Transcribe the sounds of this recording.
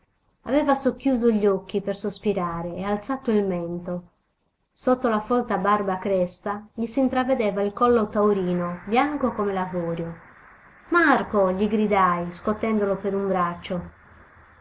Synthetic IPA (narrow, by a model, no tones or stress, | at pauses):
avɛːvasokːjuːzoʎːɔk̟ːipersospiɾaːɾeːalt̪saːt̪oilmɛnt̪o | sot̪ːolafɔlt̪abarbakɾɛspaʎisint̪ɾavːed̪ɛːvailkɔlːot̪auɾiːnobjaŋkokomelavɔːɾjo | markoʎiɡɾid̪ajskot̪ːɛnd̪olopeɾumbɾat͡ʃːo